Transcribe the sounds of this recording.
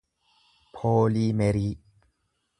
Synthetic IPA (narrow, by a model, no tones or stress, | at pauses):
pʰoːlimeɾi